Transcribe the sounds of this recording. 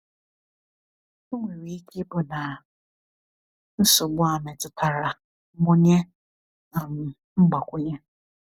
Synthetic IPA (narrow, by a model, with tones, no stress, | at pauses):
u˦ŋʷe˨wi˨i˦kʰe˦bʊ˨na˨ | n̩˦sʊ˨ɡ͡bʊ˦a˨me˨tʊ˨tʰa˨ɾa˨ | mʊ˦ɲe˦ | a˨m̩˨ | ŋ͡m̩˦ɡ͡ba˨kʷʊ˦ɲe˦